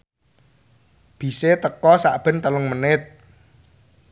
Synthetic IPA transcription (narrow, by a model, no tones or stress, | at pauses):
b̥i̤set̪əkɔsaʔb̥ɛ̤nt̪əlʊŋmənɪt̪̚